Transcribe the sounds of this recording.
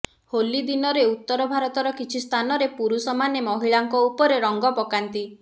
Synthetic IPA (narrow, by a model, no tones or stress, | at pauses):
holid̪inɔɾeut̪ːɔɾɔbʱaɾɔt̪ɔɾɔkit͡ʃʰist̪ʰanɔɾepuɾusɔmanemɔɦiɭaŋkɔupɔɾeɾɔŋɡɔpɔkant̪i